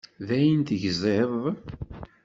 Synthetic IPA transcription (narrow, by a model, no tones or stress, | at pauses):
ðæjənt̪əʝzˤeðˤ